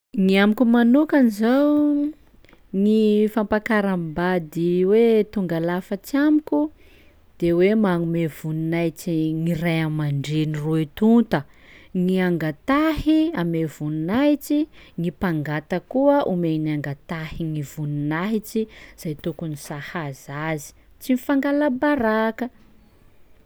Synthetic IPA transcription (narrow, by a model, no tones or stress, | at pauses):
ŋiamikumanukanizaw | ŋifampakaɾambad̪iwet̪uŋɡalafət͡ʃiamikʲu | d̪̥ewemaŋumevuninajt͡ʃiŋirajamaɳɖ͡ʐeniroet̪unt̪əŋiaŋɡat̪ahiamevuninaɦit͡ʃiŋipaŋɡat̪əkuəʔumeniaŋɡat̪ahiŋivuninaɦit͡ʃiz̥ajt̪ukunisahazazi̥ | t͡simifaŋɡalabaɾakə